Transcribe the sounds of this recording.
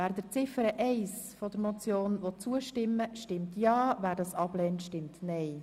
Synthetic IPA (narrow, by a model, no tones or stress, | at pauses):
æːɾd̪əɾt͡sɪfəɾəʔɛɪsfɔd̥əɾmɔt͡sjoːnʋɔt͡suəʃtɪmːəʃtɪmtjɑːvæːɾdɑsɑb̥lɛːntʃtɪmtnɛɪ